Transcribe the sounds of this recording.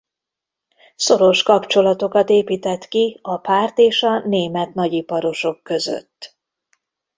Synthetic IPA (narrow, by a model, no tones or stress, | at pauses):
so̞ɾo̞ʃkɒpt͡ʃo̞lɒt̪o̞kɒt̪eːpiːt̪ɛt̪kiɒpaːrt̪eːʃɒneːmɛt̪nɒɟipɒɾo̞ʃo̞kːø̞zø̰t̪ː